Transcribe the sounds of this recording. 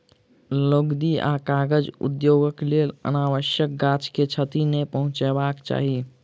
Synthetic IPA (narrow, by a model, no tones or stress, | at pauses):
loɡd̪ia̰kaɡəd͡ʒṵd̪joɡəklelə̰naːwəʃjək̚ɡat͡ʃket͡ʃʰət̪inepəɦʊ̃t͡ʃɛbakt͡ʃa̰ːɦi